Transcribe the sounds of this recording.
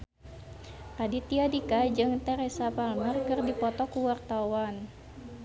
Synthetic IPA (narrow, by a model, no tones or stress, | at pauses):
radit̪iadikad͡ʒɨŋt̪ɛɾesapalmərkɨrdipɔt̪ɔkuwart̪awan